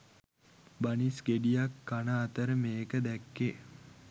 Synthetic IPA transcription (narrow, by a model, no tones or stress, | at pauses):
banisɡeɖijakːanəːt̪əɾəmeːkəd̪ækːe